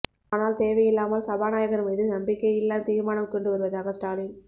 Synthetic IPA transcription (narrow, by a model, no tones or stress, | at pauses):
aːnaːlt̪eːʋɐjɪlːaːmɐlsɐbaːnaːjɐɣɐɾɯmiːðɯnɐmbɪkːɐɪlːaːt̪iːɾmaːnɐmkɔɳɖɯʋɐɾɯʋɐðaːɣɐsʈaːlɪn